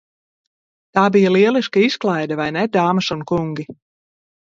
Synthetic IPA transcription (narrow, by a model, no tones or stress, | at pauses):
t̪aːbijaliɛlˠiskaisklˠajd̪avajnɛd̪aːmasunkuŋɡʲi